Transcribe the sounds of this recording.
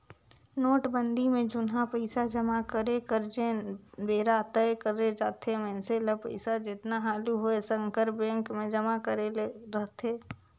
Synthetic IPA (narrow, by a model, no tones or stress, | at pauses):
noːʈbə̃nd̪imẽd͡ʒʊnɦapəɪsad͡ʒəmakəɾekəɾd͡ʒẽbeːɾat̪əjkəɾːed͡ʒaːt̪ʰemɛ̃ːnseləpəɪsad͡ʒɪt̪naɦaːluɦoesə̃ŋkəɾbɛ̃ːŋkmẽd͡ʒəmakəɾeleɾəɦt̪ʰeː